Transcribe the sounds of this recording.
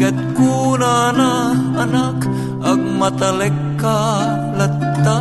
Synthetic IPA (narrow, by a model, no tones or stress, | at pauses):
ɐt̪̚kuːnaːnaːnak | ɐk̚mɐt̪ɐlekːa | lɐ | t̪ːa